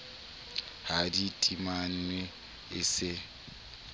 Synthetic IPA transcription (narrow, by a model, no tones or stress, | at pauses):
haditʼiman̩we | ɪsɪ